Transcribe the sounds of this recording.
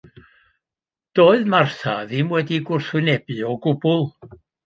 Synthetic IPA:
d̥oːɨðmarθaðɪmwɛdiɡʊrθwɨnɛbɨɔɡʊbʊlˠ

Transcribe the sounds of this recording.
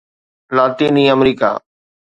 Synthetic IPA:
laːt̪iːniːəmɾiːka̰ː

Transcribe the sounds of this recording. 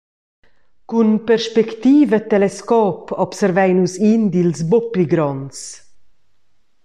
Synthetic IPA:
kunpɛɾʃpɛkt̪iːvət̪ɛlɛskɔːpɔpsɛɾvɛjnusind̪ilsbopiɡɾɔns

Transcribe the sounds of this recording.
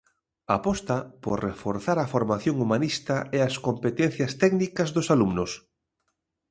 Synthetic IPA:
apɔst̪ɐpoɾrefoɾθaɾaɐfoɾmaθjoŋumanist̪aeɐskompet̪ɛn̟θjɐst̪ɛɡnikɐzðʊsalumnʊs

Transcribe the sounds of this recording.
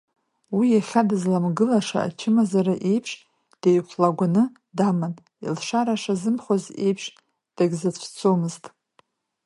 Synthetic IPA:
wijaχʲadɨzlamɡɨlaʂa̰a̰t͡ʃʰɪmazaɾaʔejpʰʂ | d̥ejkʷʰlaɡʷanɨ | daman | ḭlʂaɾaʂazɨmχʷoze̞̰jpʰʂ | d̥aɡʲzat͡ɕʷʰt͡sʰomɨztʼ

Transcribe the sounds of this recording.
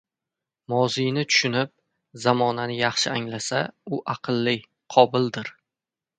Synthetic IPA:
mɒzɪjnɪt̪ʰʊ̥ʃʊnɪp̚ | zamɒnanɪjɑχʃɪaŋlasaʊʔɑqʰɨlːɪ | qʰɒbɪld̪ɪɾ

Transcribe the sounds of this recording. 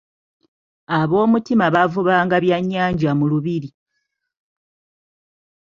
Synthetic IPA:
aβo̞ːmutimaβavuβaːŋɡaβjaɲːaːɲɟamuluβiɾi

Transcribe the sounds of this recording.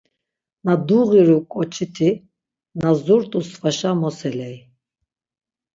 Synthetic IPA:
nad̪uʁiɾukʼɔt͡ʃʰit̪ʰi | nazuɾt̪ʼusvaʃamɔsɛlɛj

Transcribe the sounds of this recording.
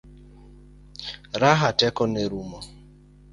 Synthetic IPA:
ɾaɦatɛkɔneɾumɔ

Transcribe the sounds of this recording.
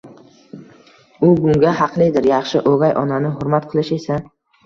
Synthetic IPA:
ʊbʊŋɡʲahɑqlˠɪd̪ɪɾjɑχʃɪʔoɡajʔɒnanɪɦʊɾmat̪qʰɨlɪʃe̞sa

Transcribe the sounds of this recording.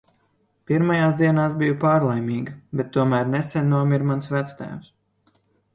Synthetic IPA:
piɾmajaːsd̪iɛnaːsbijupaːɾlˠɛjmʲiːɡɐbɛt̪ːuɔmæːɾnɛsʲɛnːuɔmiɾmansvæt̪st̪æ̰ːms

